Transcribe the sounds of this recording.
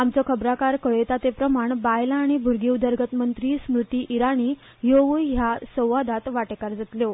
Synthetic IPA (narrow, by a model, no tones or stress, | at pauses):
amt͡sɔkʰəbɾakaɾkəɭet̪at̪epɾəmaɳbajlaːɽ̃ibʱuɾɡiwd̪əɾɡʱət̪mənt̪ɾiːsmɾut̪iːʔiɾaɽ̃iː | joʋujɦjasə̃w̃ʋad̪at̪ʋaʈekaɾd͡zət̪ljo